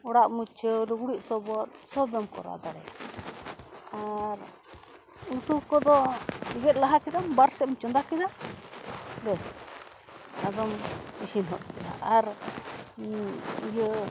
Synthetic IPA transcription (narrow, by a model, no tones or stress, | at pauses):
ɔɽaʔmut͡ʃəɾuɡuɽiʔ̚sɔbɔt̪sɔbɔmkɔ̰ɾa̰d̪aɾɛ̰ja̰ | aɾ | ut̪ukɔd̪ɔiɡɛt̪̚laɦakɛd̪ambaɾsɛmt͡ʃɔnd̪akɛd̪a | bɛs | ad̪ɔmisinɦɔ̰t̪̚kɛd̪a̰ʔaɾ | ijə